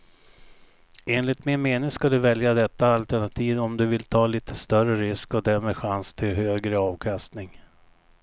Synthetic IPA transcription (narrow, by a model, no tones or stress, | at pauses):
eːnlɪt̪mɛnmeːnɪŋskad̪ɵvɛljad̪ɛt̪ːaːlt̪æɳat̪ʰiːvɔmd̪ɵvɪlt̪ʰɑːliːt̪ʰə̥st̪œrəɾɪskɔd̪æɾmeːɧanst̪ʰɪlhøːɡɾəɑːvkʰast̪nɪŋ